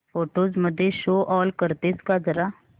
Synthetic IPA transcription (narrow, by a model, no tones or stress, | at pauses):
pʰoːʈoːzməd̪ʱeːʃoːʔɔːlkəɾt̪eːskaːzəɾaː